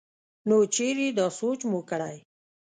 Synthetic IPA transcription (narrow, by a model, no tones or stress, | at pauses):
not͡ʃʰeɾid̪ɑsot͡ʃmukəɽaj